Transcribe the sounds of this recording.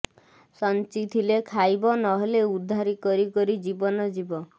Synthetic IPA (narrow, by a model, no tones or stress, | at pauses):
sɔnt͡ʃit̪ʰilekʰajbɔnɔɦeleud̪ʱːaɾikɔɾikɔɾid͡ʒibɔnɔd͡ʒibɔ